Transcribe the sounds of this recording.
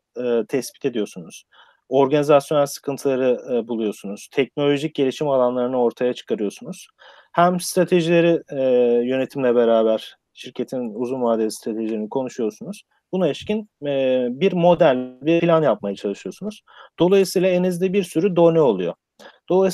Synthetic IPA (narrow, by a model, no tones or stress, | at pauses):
t̪ʰɛspi̥t̪ʰe̞d̪ijo̞sunuz̥ | o̞ɾɡanizasjonæɾʲsɯ̥kʰɯnt̪ʰɯlˠaɾɯbulˠujo̞sunuz̥t̪ʰɛc̚no̞lʲo̞ʒic̚ɟe̞lʲiʃimalˠanlˠaɾɯnɯo̞ɾt̪ʰajat͡ʃʰɯ̥kʰaɾɯjo̞sunuz̥ | hæmst̪ɾat̪ʰe̞ʒilʲe̞ɾijø̞ne̞t̪ʰimlʲɛbeɾaːbæɾ̥ | ʃiɾcʰe̞t̪ʰinuzunmaːd̪est̪ɾat̪ʰe̞ʒilʲeɾinikʰo̞nuʃujo̞sunuz̥ | bunaɛʃcin | biɾmo̞d̪ælʲbilʲanjap̚majat͡ʃʰalˠɯʃɯjosunuz̥ | d̪o̞lˠajɯsijlˠaenezd̪ɛbiɾsyɾyd̪o̞nyo̞lˠujo | d̪̥o̞lˠa